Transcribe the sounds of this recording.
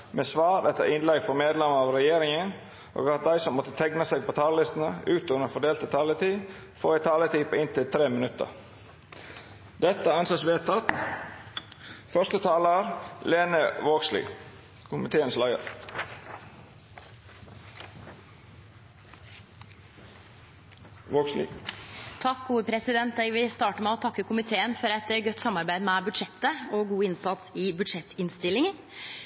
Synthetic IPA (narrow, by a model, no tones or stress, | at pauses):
meːsʋɑːɾɛt̪ːə̰ɾʔɪnlɛɡfɔmeːd̪lɛməɑʋɾɛjeːɾɪŋən | ʔo̰ːɡɑt̪̚d̪æɪsɔmːɔt̪ːət̪ʰɛɡnəseːɡ̚pʰoːt̪ʰɑːləlɪst̪nəʉːt̪ʉnəfɔɖeːlt̪ət̪ʰɑːlət̪ʰiː | fo̰ːæɪt̪ʰɑːlət̪iːpʰoːɪnt̪ɪlt̪ʰɾeːmənʉt̪ə̰ɾ | d̪̥ɛt̪ːəæɑnsɑsʋeːt̪ʰːɑt̪ | fœʂt̪ət̪ʰɑːləɾleːnəʋoːɡslḭː | kʰʊmɪt̪ʰeːənslæɪə̰ɾ | ʋoːɡslḭt̪ʰɑkɡuːəpʰɾɛsɪd̪ɛnt̪̚d̪ɛɡʋɪst̪ɑːʈəmɛɔt̪ʰɑkːəkʰʊmɪt̪ʰeːənfɔɾɛt̪ɡœt̪ːsɑmːɑɾbæɪd̪mɛbʉd̪ʂɛt̪ːəɔɡuːɪnsɑt̪sɪbʉd̪ʂɛt̪ːɪnst̪ɪlːɪŋən